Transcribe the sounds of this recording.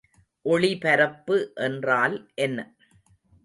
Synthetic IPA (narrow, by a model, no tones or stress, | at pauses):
ʔɔɭipɐɾɐpːɯʔɛndraːlʔɛnːɐ